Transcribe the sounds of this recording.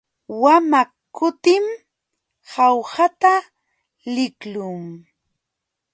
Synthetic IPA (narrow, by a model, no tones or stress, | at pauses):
wama | kːʊt̪ɪm | hawhat̪a | lɪklʊŋ